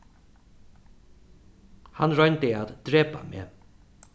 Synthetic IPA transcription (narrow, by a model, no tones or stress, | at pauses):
hanɹœjnt̪ɪaːt̪d̪̥ɾeːpa̰mḛː